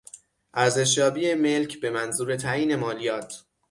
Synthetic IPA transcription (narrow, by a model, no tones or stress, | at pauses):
ʔæɾze̞ʃ̬jɒːbiːeme̞lcʰbe̞mænzuːɾe̞t̪ʰæiːne̞mɒːlijɒːt̪ʰ